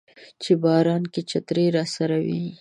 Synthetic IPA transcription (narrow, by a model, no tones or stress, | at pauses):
t͡ʃebɑːɾɑːnket͡ʃat̪ɾeɾɑsaɾawi